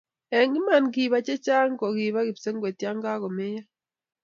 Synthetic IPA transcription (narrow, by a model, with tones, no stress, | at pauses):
ɛ˨ŋɪ˦ma˨nɡi˨βa˦t͡ʃe˦t͡ʃa˦ŋ˦kɔ˨ɣi˨βa˦ɣɪ˨pse˦ŋɡwe˨tja˦ŋɡa˦ɣɔ˨me˦ja˦